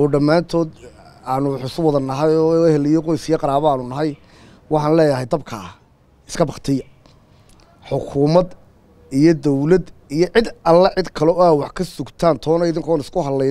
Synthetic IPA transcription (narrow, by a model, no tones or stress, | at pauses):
ɔːɖɐmːaːnt̪ʰɔːd̪ | aːnʊħʊsʊwɔðɐnɐɦɐjɔːɛhɛlɪjɔqɔjsɪjɐqɑɾaːβɔaːnʊnɐɦɑj | wɑħɑːnlɛːjɐɦɛjd̪ɐbkʰa | ɪ̥skʰɐbɑχt̪ʰɪjɐ | ħʊkʰʊːmɐd̪ | ijɔd̪ɔwlɐd̪ijɔʕɪd̪ɐlːɐʕɪd̪kʰɐlɔaːwɑħkʰɐsʊɡt̪ʰaːnt̪ʰɔːnɔɪðɪŋkʰɔaːnɪskʰʊhɐd̪lɛ